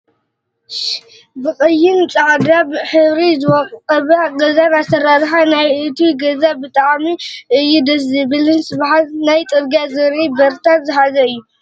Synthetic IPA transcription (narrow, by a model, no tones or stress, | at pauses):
bɨχʼɨjːɪnt͡sʼaʕd̪abħɨβɾizɨwɔkʼqʼɐβaɡɐzaβat̪ʰɐɾaɾħanajɨt̪ʰiɡɐzabɨt̪ʼaʕmiʔɨjːud̪ɐs̬zɨbɨlɨnsɨβħat̪najt̪ʼɨɾɡazɨɾibɐɾt̪ʰat̪zɨħazɐɨjːu